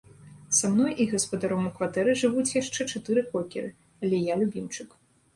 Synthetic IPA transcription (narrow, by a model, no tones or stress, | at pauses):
samn̪ɔjʔiɣɐspɐd̪aɾɔmukvat̪ɛɾɨʐɨvut͡sʲjaʂt͡ʂɛt͡ʂat̪ɨɾɨkɔkʲiɾɨ | alʲɛjalʲubʲimt͡ʂɨk